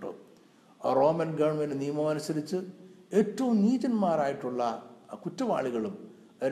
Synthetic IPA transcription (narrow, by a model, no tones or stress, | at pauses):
ɽṵ | ro̞ːmɐnɡɐɳmɐnnijmɐmɐnusɐɾit͡ɕːɨe̞ːtːɐʋumniːtɐnmaːɾaːjiʈːuɭːɐkutːɐʋa̰ːɭiɣɐɭum | ɐ